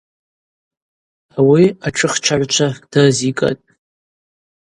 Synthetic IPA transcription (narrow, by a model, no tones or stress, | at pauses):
awiaʈ͡ʂʰɨχʈ͡ʂʰaʕʷt͡ʃʷʰad̥azikʼa̰tʼ